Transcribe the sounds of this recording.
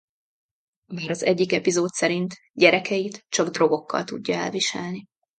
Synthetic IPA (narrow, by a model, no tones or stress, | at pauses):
baːɾɒzɛɟːikɛpizoːt̪sɛɾint̪ | ɟɛɾɛkɛjit̪t͡ʃɒɡd̪ro̞ɡo̞kːɒ̰lt̪uɟːɒɛ̰lviʃɛlni